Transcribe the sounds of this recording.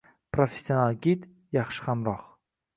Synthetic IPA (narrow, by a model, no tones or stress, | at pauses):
pɾofʲe̥sʲːionalˠɡʲit̪ | jɑχʃɨ̥χamɾɒq